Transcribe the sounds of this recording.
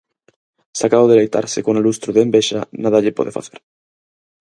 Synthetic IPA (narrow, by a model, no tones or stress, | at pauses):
sakaβoðelejt̪a̰ɾsekoŋelust̪ɾuðeːmbeʃa̰naðaʎepoðefa̰θeɾ